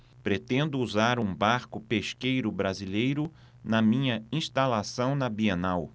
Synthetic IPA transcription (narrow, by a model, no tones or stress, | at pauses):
pɾet̪ẽnd̪ʊuzaɾũbaɾkʊpeʃkejɾʊbɾazilejɾʊ | nɐmĩɲɐĩst̪alasɐ̃w̃nɐbienaw